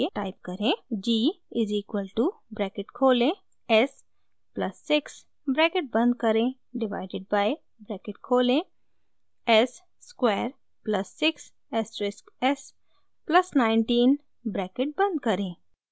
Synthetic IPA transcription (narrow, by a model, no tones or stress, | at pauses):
eʈaːɪp̚kɐɾẽd͡ʒiːɪziːkwəlʈubɾɛːkɪʈkʰoːlẽ | ɛs | plɐsːɪks | bɾɛːkeʈ̚bɐ̃nd̪̚kɐɾẽ | ɖɪʋaɪɖɪɖ̚baːɪ | bɾɛːkɪʈ̚kʰoːlẽ | ɛsː | kweːɾ | plɐsːɪks | ɛsɾɪskɛs | plɐsnaːɪɳʈĩːn | bɾɛːkeʈ̚bɐ̃nd̪kɐɾẽː